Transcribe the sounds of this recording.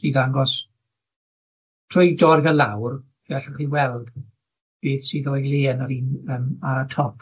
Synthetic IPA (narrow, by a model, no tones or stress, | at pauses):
d̥iðaŋɡɔs | tʰrojdɔrɡəlawr | vɛɬəχiwɛlˠd | b̥eːθsiːðɔjleːnaɾiːnəːmaətʰɔpʰ